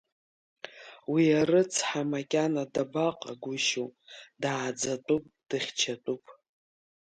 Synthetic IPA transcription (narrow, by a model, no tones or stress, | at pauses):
wiarɨt͡sʰħamakʲʼanadabaqʼa̰ɡʷʊʃodaːd͡zatʼupʼd̥ɨχʲt͡ʃʰatʼupʼ